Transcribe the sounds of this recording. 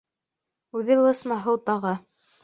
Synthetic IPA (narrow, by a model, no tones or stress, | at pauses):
ʉðɘlˠɤ̆smɑɦɤwt̪ɑʁɤ